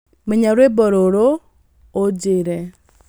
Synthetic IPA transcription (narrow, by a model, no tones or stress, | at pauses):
meɲaɾwebɔɾoɾoː | d͡ʒɪɾɛ